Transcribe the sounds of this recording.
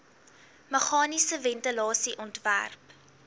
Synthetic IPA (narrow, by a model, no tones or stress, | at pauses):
məχɑːnisəvɛntəlɑːsiʔɔntvæ̰rp